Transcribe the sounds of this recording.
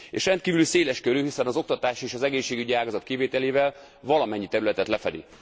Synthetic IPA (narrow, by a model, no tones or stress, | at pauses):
ḛːʃrɛnt̪kiːvylyseːlɛʃkøɾyɦisɛnɒzo̞kt̪ɒt̪aːʃeːʃɒzɛɡeːʃːeːɡyɟiaːɡɒzɒt̪kiveːt̪ɛleːvɛl | vɒlɒmɛɲːit̪ɛɾylɛt̪ɛt̪lɛfɛd̪ḭ